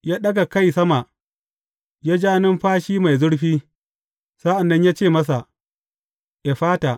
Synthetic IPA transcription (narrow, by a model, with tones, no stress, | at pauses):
jaː˦ɗɐ˦ɡa˨kɐ˦jsɐ˦ma˨ʔ | jaː˦d͡ʒaː˦nɪ˦mɸaː˦ʃiː˦ma˨jzʊ˦ɽɸiː˦ | sa˦ʔa˨nːɐ˦ɲjaː˦t͡ʃeː˦˨mɐ˦s̬a˨ʔ | ja˨ɸaː˦ta˨ʔ